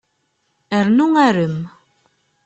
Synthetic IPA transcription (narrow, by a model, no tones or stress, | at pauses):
æɾnuŋæɾəm